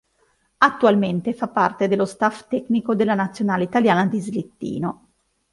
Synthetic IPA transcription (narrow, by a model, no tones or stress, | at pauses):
at̪ːualment̪efapːart̪ed̪elːost̪aft̪ɛknikod̪elːanat̪sːjonaːleit̪aljaːnad̪izlit̪ːḭːno